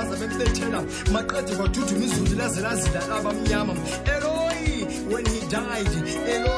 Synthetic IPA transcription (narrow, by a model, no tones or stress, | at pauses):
azaβem̩ɓɛtʰɛla | maǃed̥ʱɛwad̥ʱud̥ʱumizundilazɛlazilalaɓam̩ɲama | ɛlɔji | wɛnhida | idi | ɛlɔ